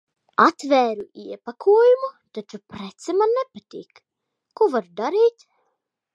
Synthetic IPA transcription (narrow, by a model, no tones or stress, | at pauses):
at̪væːɾuiɛpakʰuɔjumut̪at͡ʃupɾɛt̪sɛmanːepat̪ʲḭːkː | uvaɾd̪aɾiːt̪